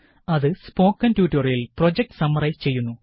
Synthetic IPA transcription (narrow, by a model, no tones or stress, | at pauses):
ɐðɨspo̞ːkːɐntjuːtːɐrjilpro̞d͡ʑek̚ʈɨ̥sɐmːɐrɐjt͡ɕe̞jːunːu